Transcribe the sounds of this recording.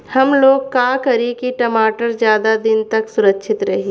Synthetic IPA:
hɐmloːɡkaːkɐɾikiʈɐmaːʈəɾd͡ʒjaːd̪ad̪ɪnt̪ɐksʊɾəkːʃʰɪt̪ɾɐɦeː

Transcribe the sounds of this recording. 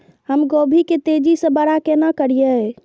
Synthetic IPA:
həmɡobʱiket̪ed͡ʒisə̃bəɽakenakəɾijə

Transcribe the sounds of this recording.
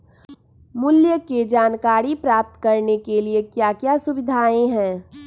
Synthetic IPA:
mʊljəked͡ʒaːnkaːɾipɾaːp̚t̪kɐɾnekeliekjakjasʊbɪd̪ʱaːẽɦɛ̃ː

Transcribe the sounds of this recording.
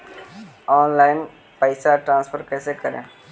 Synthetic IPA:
ɔːnlaːɪn | pəɪsaʈɾãːnspʰəɾkɛːsekəɾḛ̃ː

